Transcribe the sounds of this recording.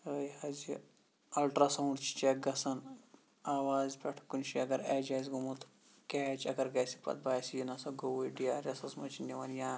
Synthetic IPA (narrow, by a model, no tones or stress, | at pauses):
əjazi | ɐlʈɾaːsɐːɳɖt͡ʃʰi̥t͡ʃaɡɐsɐn | aːʋaːzpʲɐʈʰkunʃiɐɡɐɾaːd͡ʒaːzʲɡumut̪ | kɛːt͡ʃɐɡɐɾɡɐjsi̥pɐ̰t̪̚baːjsʲijinɐsɐɡowuɖijaːɾʲɐsɐsmɐt͡ʃʰinʲiʋɐnjaː